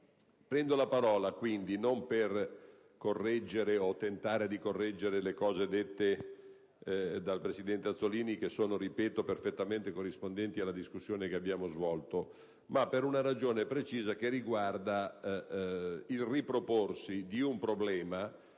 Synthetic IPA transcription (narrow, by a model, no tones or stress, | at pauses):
pɾɛnd̪olapaɾɔːlakwind̪inomper | korːɛd͡ʒːeɾeot̪ːent̪aːɾed̪ikorːɛd͡ʒːeɾelekɔːzed̪et̪ːe | d̪alpɾesid̪ɛnt̪eat̪sːoliːnik̟esːoːnoɾipɛːt̪operfet̪ːament̪ekorːispond̪ɛnt̪ialːad̪iskusːjoːnekeabːjaːmozvɔlt̪o | mapːeɾunaɾad͡ʒoːnepɾet͡ʃiːzakerːiɡward̪a | ilripɾoporsid̪iumpɾoblɛːma